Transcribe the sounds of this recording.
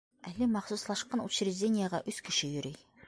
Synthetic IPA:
ælːɘmɑχsuslˠɑʃqɑnuɕɾʲɪzʲdʲenʲɪjəʁɑʔʉskɘ̆ʃɘjɵ̆ɾɘj

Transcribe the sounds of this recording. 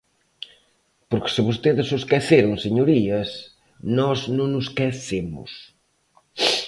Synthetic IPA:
poɾksɨβost̪eðɪzuskɛθeɾuŋseɲuɾiɐs | nɔznõŋnʊskɛθemʊ̰s

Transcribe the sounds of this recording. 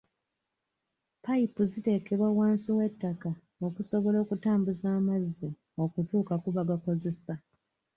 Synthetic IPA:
paipuzite̞ːke̞βwawaːnsiwe̞tːaka | o̞kuso̞βo̞lo̞ːkutaːmbuzaːmazːi | o̞kutuːkakuβaɡako̞ze̞sa

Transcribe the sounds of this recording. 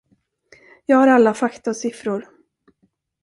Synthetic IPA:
jɑːɡhaɾalːafakt̪asɪfɾʊɾ

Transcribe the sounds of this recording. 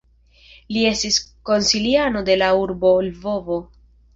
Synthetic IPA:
lie̞stisko̞nsiliano̞de̞lauɾbo̞lvo̞vo̞

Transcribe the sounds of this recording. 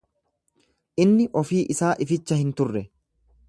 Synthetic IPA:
ʔɪnːɪʔɔfiːʔɪsaːʔɪfɪt͡ʃːɐhɪnt̪ʊrːɛ

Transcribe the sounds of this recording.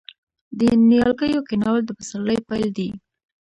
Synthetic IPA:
d̪ənijɑlkəjokɪnɑwld̪əpasaləjpajld̪i

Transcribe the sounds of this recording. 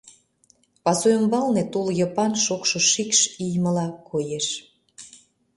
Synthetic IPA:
pɑsojəmbɑlnet̪uljɑpɑnʃokʃŏʃikʃijmə̆lɑkʰojeʃ

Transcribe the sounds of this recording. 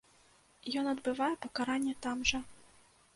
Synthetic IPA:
jɔnɐd̪bɨvajɛpɐkaɾanʲːɛt̪amʐɐ

